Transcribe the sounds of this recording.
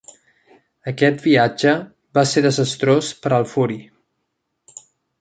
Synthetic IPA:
əkɛt̪̚biad͡ʒə | baseðəzəst̪ɾospəɾəlˠfuɾi

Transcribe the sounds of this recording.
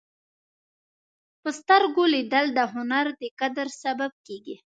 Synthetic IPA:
pəst̪aɾɡolid̪əld̪əɦʊnaɾd̪əkad̪əɾsabab̚keɡi

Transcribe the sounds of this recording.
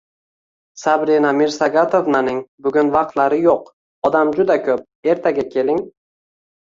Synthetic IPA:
sabɾinamɪɾsaɡat̪ʰovnanɪŋbʊɡʲʊnvɑq̚t̪laɾɪjoq | ɒd̪amd͡ʒʊd̪akʲʰɵp̚e̞ɾt̪ʰaɡʲakʲʰe̞lɪŋ

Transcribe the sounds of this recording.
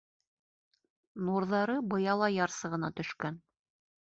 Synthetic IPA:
nuɾðɑɾɤbɤ̆jɑlˠɑjɑɾsɤ̆ʁɤ̆nɑt̪ɵ̆ʃkæn

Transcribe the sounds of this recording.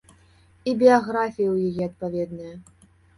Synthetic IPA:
ibʲijaɣɾafʲijɐwjajɛɐt̪̚pavʲɛd̪nɨjɐ

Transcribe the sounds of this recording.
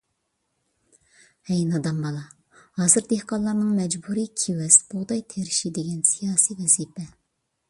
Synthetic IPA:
hɛjnɑd̪ɑmbɑlˠɑ | hɑːsɨɾd̪ehqɑlˠːɑɾnɨŋmɛd͡ʒbuɾikʲʰiwɛsb̥uʁd̪ɑjt̪ʰeɾɪʃid̪eɡʲɛnsijɑːsiwɛzipʰɛ

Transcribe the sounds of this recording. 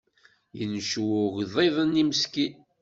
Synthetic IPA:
jənʃwʊɣðˤiðˤənːiməski

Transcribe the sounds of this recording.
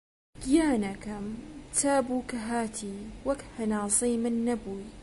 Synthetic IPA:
ɡjaːnakɐmt̪ʰaːbuːkɐɦaːt̪ʰiːwɐkhɐnɑːsˤiːmɪnːɐbuj

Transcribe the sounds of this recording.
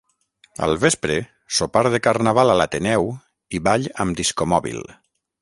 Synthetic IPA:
ə̰lˠβespɾe | sopaɾðekarnaβalalat̪enɛw | iβaʎəmd̪iskomɔβḭlˠ

